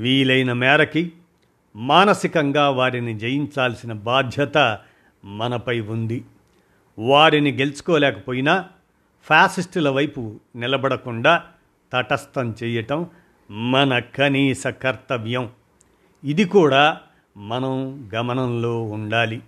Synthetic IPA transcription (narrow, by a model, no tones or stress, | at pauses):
ʋiːlɐjnɐmɛːɾɐki | maːnɐsikɐŋɡaːʋaːɾinid͡ʒejiɲt͡ʃaːlsinɐbaːd̪ʱjɐt̪ɐ | mɐnɐpɐjund̪i | ʋaːɾiniɡe̞lusu̥kɔːlɛːkɐ̥poːjinaː | pʰaːsisʈulɐʋɐjpunilɐbɐɽɐkuɳɖaː | t̪ɐʈɐst̪ɐmt͡ʃɛːjɐʈɐmː | ɐnɐkɐniːsɐkɐɾt̪ɐʋjɐm | id̪ikuːɽaː | mɐnɐmɡɐmɐnɐmlo̞ːuɳɖaːli